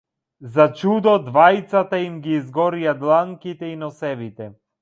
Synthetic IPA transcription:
zat͡ʃud̪ɔd̪vajt̪sat̪aimɡiːzɡɔɾijad̪lˠaŋkit̪ɛinɔsɛvit̪ɛ

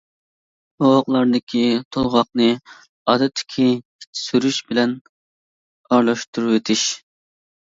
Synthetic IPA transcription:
oʁɑqlˠɑɾd̪ɨkʲʰit̪ʰolˠʁɑqnɨ | ɑd̪ɛt̪ʰːɪ̥kʲʰi | i̥t̪ʰːɪ̥syɾyʃbɪlɛn | ɑɾlˠɑʃt̪uɾuwet̪ʰɪʃ

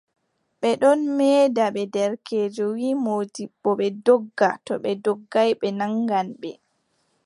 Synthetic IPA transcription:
ɓɛɗɔnmɛːdaɓɛdɛɾkʰeːd͡ʒɔwiːmoːdiɓːɔɓɛdɔɡːatɔɓɛdɔɡːajɓɛnaŋɡanɓɛ

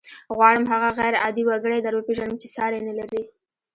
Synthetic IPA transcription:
ɣwɑɽəmɦaɣaɣajɾɑd̪iwaɡəɽed̪aɾwapeʒanəmt͡ʃesɑɾenalaɾi

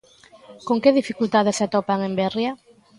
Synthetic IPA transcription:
koŋkeðifikult̪aðɪsat̪ɔpaŋembɛrjɐ

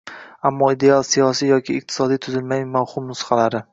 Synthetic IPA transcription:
amːɒid̪e̞alˠsijɒsijɒkʲʰɪːq̚t̪ʰɪ̥sɒd̪ijt̪ʰʊzɪlmajmawhʊmnʊsqɑlaɾɪ

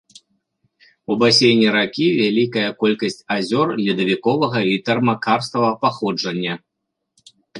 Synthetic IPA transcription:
ubasʲejnʲːiɾakʲivʲalʲikɐjɐkɔlʲkɐsʲt͡sʲazʲɔrlʲid̪ɐvʲikɔvɐɣɐit̪ɛrmɐkarst̪ɐvɐpaxɔd͡ʐɐnʲːɐ

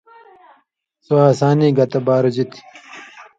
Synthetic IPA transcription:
soaːsaːniːɡɐt̪ɐbaːɾod͡ʑit̪ʰi̥

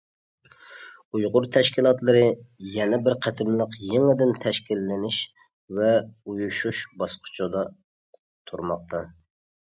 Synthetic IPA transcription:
ujʁʊɾt̪ʰɛʃkʲilˠɑt̪lˠɨɾɨjɛnɛbɪɾqʰæt̪ʰɪmlˠəqjeŋəd̪ɪnt̪ʰɛʃkʲilːɪnɪʃ | vɛujuʃuʃbɑsqʰə̥t͡ʃʰɑd̪ɑ | t̪ʰuɾmɑqt̪ʰɑ

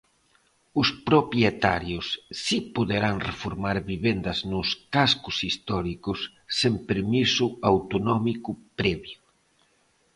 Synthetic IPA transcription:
ʊspɾopjet̪aɾjʊsːipoðeɾaŋrefoɾmaɾβiβend̪ɐznʊskaskʊsist̪ɔɾikʊsː | empeɾmisuawt̪onɔmikupɾɛβju

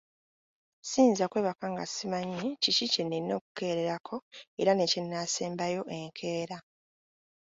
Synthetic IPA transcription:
siːnzakwe̞ːβakaŋɡa̰simaɲːicicicenːinːo̞ːku̥ke̞ːɾeɾakʰo̞e̞ɾanecenːaseːmbajo̞ʔe̞ŋkʰe̞ːɾa

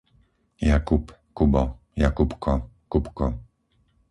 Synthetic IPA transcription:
jakupkubɔ | jakupkɔ | kupkɔ

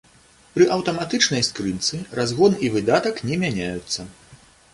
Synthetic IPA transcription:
pɾɨʔɐwt̪ɐmat̪ɨt͡ʂnɐjskɾɨt̪sɨrazɣɔnivɨd̪at̪ɐknʲɛmʲanʲajut̪sːɐ

